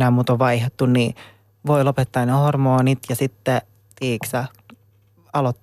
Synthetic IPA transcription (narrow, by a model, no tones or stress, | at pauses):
næːmuːt̪oʋʋɑihet̪ːunni | ʋoilopet̪ːɑːnnehormoːnit̪jɑsit̪ːe | t̪iːksæ | ɑlot̪ː